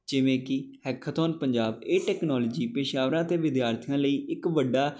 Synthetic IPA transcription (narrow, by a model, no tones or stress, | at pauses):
d͡ʒɪʋẽːkɪhɛːkʰːət̪oːnpəɲd͡ʒaːbeːʈɛːknɔːlːd͡ʒiːpeːʃaːʋɾãːt̪eːʋɪd̪jaːɾt̪ʰijãːləiːʔɪkʋəɖːaː